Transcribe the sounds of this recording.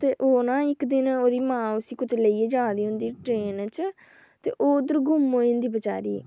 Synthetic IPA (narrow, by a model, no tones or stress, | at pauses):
t̪eːʔoːnãːɪkd̪ɪnoːd̪iːmãːʊsiːkʊt̪eləiːeːd͡ʒaːd̪iːɦʊnd̪iːʈɾeːnt͡ʃ | t̪ḛːʔoːd̪əɾɡʊmoːɪ̃nd̪iːbət͡ʃa̰ːɾiː